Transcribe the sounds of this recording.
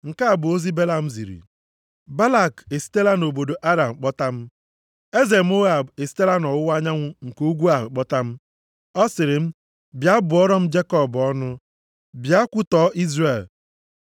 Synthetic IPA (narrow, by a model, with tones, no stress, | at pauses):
ŋ̩˨ka˦a˨bʊ˨o˦zi˦be˦la˦m̩˦zḭ˨ɾḭ˨ | ba˦la˦˨ke˨si̥˦te˦la˦no˨bo˨do˨ʔa˦da˨m̩˨k͡pɔ˦ta˦m̩˦ | e˦ze˨m̩˦o˦ɣa˨be˨si̥˦te˦la˦nɔ˨wʊ˦wa˦ɲa˦ŋʷʊ˦ŋ̩˨ko˦ɡʷu˦a˨ɦʊ˨k͡pɔ˦ta˦m̩˦ | ɔ˦sɪ˨ɾɪ˨m̩˦ | bja˦bʊ˨ɔ˦ɾɔ˦m̩˦d͡ʒe˦kɔ˦˨bɔ˦nʊ˦ | bja˦kʷʊ˦tɔ˦ʔi˦zre˨l